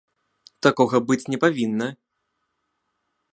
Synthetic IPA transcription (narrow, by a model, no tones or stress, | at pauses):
t̪akɔɣɐbɨt͡sʲnʲɛpavʲinːɐ